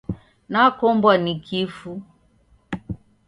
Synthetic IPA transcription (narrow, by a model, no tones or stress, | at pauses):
nakɔmbwanikʰifu